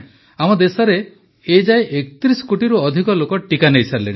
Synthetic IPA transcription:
amɔd̪esɔɾe | ed͡ʒaeʔekt̪ɾisɔ̥koʈiɾuɔd̪ʱikɔlokɔʈikanejsaɾleɽ̃i

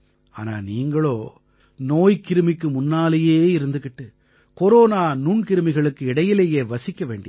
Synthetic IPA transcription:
a̰ːna̰ːniːŋɡɐɭoː | noːjkɪɾɯmɪkːɯmʊnːaːlɐjeːɪɾɯnd̪ɯkːɪʈːɯ | kɔɾoːnaːnuɳkɪɾɯmɪɣɐɭɯkːɯɪɽɐjɪleːjeːʋɐsɪkːɐʋeːɳɖɪ

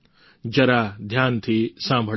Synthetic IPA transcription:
d͡ʒɐɾaːd̪ʱjaːnt̪ʰiːsãːmbʱə

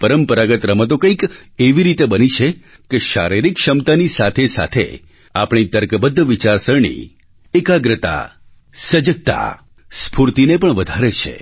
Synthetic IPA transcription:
pəɾəmpəɾaɡət̪ɾəmət̪̬okə̃ikeʋiɾit̪ebənit͡ʃʰe | keʃa̰ɾiɾikʃəmt̪anisat̪ʰesa̰t̪ʰḛ | apɳ̃it̪əɾkəbəd̪ʱːʋit͡ʃaɾsəɾɳḭ | ekaɡɾət̪a̰ | səd͡ʒək̚t̪a̰ | spuɾt̪inepəɳʋəd̪ʱaɾet͡ʃʰḛ

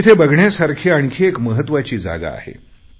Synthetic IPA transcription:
it̪ʰebəɡʱɳjasaɾkʰeaɳ̃kʰiekməɦət̪ːʋat͡ɕiːd͡za̰ɡa̰ːhḛ

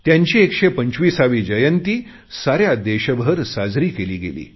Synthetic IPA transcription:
t̪jaɲt͡ɕiːekʂepəɲt͡ɕʋiːsaʋiːd͡ʑəjənt̪iː | saɾjad̪eɕəbʱəɾsad͡zɾiːkeliːɡḛlḭː

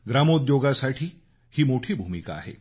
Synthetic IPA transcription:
ɡɾamod̪joɡasaʈʰiː | hiːmoʈʰiːbʱumika̰ːɦḛ

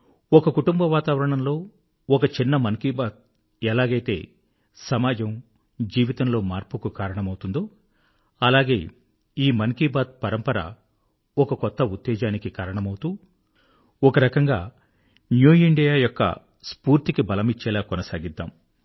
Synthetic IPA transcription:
ɔkɐkuʈumbɐʋaːt̪aːʋɐɾɐɳɐmlo̞ː | ɔkɐt͡ʃinːɐmɐŋkiːbaːd̪̚ | ɛlaːɡɐjt̪e̞ː | sɐmaːd͡ʒɐm | d͡ʒiːʋit̪ɐmlo̞ːmaːɾpukukaːɾɐɳɐmɐwut̪und̪oː | ɐlaːɡe̞ː | iːmɐŋkiːbaːd̪̚pɐɾɐmpɐɾɐ̰ | ɔkɐkɔt̪ːɐut̪ːɛːd͡ʒaːnikikaːɾɐɳɐmɐwut̪uː | ɔkɐɾɐkɐŋɡaː | njuːiɳɖijaːjɔkːɐ̰ | spuːɾt̪ikibɐlɐmit͡ʃːɛːlaːkɔnɐsaːɡid̪ːa̰ːm

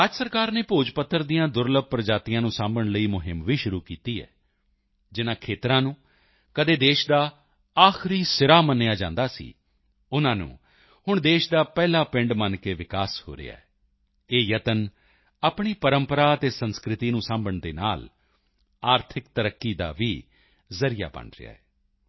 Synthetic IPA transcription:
əd͡ʒsəɾkaːɾneːpoːd͡ʒpət̪ʰːəɾd̪ijãːd̪ʊɾləb̚pɾəd͡ʒaːt̪ijãːnũːsãːmbəɳləiːmʊɦɪmʋiːʃʊɾuːkiːt̪iːɛ̰ː | d͡ʒɪnãːkʰeːt̪ɾãːnũː | kəd̪eːd̪eːʃd̪aː | aːxʰɪɾiːsɪɾaːmənːejaːd͡ʒãːnd̪aːsḭː | ʊnãːnṵ̃ː | hʊɳd̪eːʃd̪aːpɛːlaːpɪ̃ɳɖmənkeːʋɪkaːsho̰ːɾɪ̰a̰ːɛː | eːjət̪ən | aːpɳiːpəɾəmpəɾaːət̪eːsənskɾɪt̪iːnũːsãːmbəɳd̪eːna̰ːl | aːɾt̪ʰɪkt̪əɾəkːiːd̪a̰ːʋiː | zəɾɪja̰ːbə̰ɳɾɪ̰a̰ːɛː

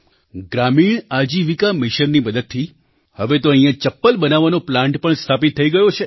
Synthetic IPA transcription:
ɡɾamiɳad͡ʒiʋikamɪʃənːiməd̪ət̪̚t̪ʰːi | həʋet̪oə̃ɦĩjãt͡ʃəpːəlbənaʋanoplãɳʈpəɳst̪ʰapit̪ʰːəiɡəjot͡ʃʰe

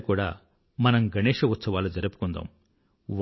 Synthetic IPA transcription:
kuːɽaː | mɐnɐmɡʱɐneːʂɐʋut̪sɐʋaːlːud͡ʒɐɾɐpu̥kund̪a̰ːm | ʋ

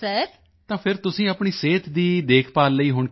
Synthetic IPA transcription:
ɛːk | t̪ãːpʰɪɾt̪ʊsĩːapɳiːseːt̪d̪iːd̪eːkʰpaːlləiːɦʊɳ

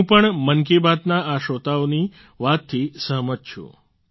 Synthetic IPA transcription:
ũpəɳmənk̬ebat̪naaʃot̪aoni | ʋat̪ʰːisəɦmət̪̚t͡ʃʰṵ̃

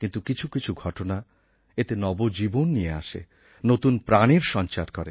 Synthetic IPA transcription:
kint̪ukit͡ɕʰukit͡ɕʰuɡʱɔʈona | et̪enɔbod͡ʑibonːijea̰ʃḛ | not̪unpɾaniɾʃɔnt͡ɕaɾkɔɾe

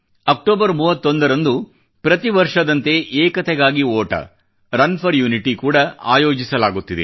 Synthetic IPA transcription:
ɐk̚ʈoːbɐɾmuːʋɐt̪ːond̪ɐɾɐnd̪u | pɾɐt̪iʋɐɾʂɐd̪ɐnt̪e̞ʔeːkɐt̪ɛɡaːɡioːʈɐ̰ | ɾɐnpʰɐɾjuːniʈikuːɽɐa̰ːjoːd͡ʒisɐlaːɡut̪ːid̪ḛ

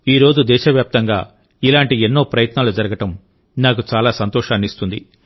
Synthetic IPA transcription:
iːɾo̞ːd͡ʒud̪ɛːʃɐʋjaːp̚t̪ɐŋɡaː | ilaːɳʈienːo̞ːpɾɐjɐt̪naːlud͡ʒɐɾɐɡɐʈɐm | naːkut͡ʃaːlaːsɐnt̪ɔːʃaːnist̪und̪ḭ

